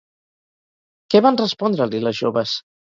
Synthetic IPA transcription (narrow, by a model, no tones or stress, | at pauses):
kɛβanrəspɔnd̪ɾəliləzʒo̰βəs